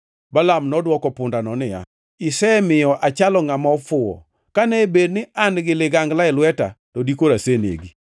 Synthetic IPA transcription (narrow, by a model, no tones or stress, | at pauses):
balamnɔdwɔkɔpʊndanɔnɪja̰ | ɪsɛmɪjɔʔat͡ʃalɔŋamaɔfʊɔ̰ | kanɛbed̚nɪʔanɡɪleɡaŋɡlaɪlwɛtatɔdikoɾasenḛɡi